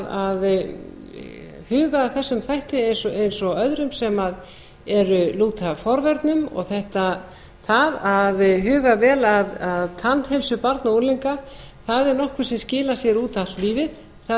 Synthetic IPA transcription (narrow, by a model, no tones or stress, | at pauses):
að | hʏːɣaθɛsːʏmθajht̪ɪejnsɔʔejnsɔœðɾʏmsɛmað | ɛɾʏluːt̪ʰafɔɾvɛɾt̪nʏmɔ̰ɣθɛht̪a | θaðaðɦʏːɣavɛːlaðaðt̪ʰanːhɛlsʏpaɾt̪nauɾliŋka | θaðɛɾnɔhkvʏ̥sɛmscɪːlasjɛɾuːt̪at̪liːvɪð | θa